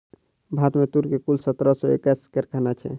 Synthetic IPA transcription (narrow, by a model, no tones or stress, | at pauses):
bʱat̪met̪uɾkekulsət̪ɾɔsɔḛkəskəɾkʰanat͡ʃʰɛ̰